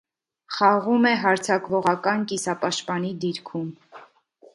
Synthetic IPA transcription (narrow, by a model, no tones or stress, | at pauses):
χɑʁumɛɦɑɾt͡sʰɑkvɔʁɑkɑnkisɑpɑʃt̪pɑnid̪iɾkʰum